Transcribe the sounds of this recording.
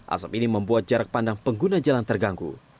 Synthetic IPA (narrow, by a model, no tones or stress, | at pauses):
ʔa̰sapiniməmbuat̪̚d͡ʒaɾak̚pandaŋpəŋɡunad͡ʒalant̪ərɡaŋɡṵ